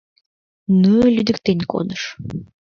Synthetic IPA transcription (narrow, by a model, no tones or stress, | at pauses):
nulʲyd̪ɘ̆kt̪enʲko̰d̪əʃ